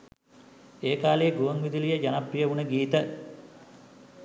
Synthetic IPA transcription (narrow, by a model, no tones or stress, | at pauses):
eːkaːleɡuʋəŋʋid̪ilijəd͡ʒanaprijəʋunəɡiːt̪ə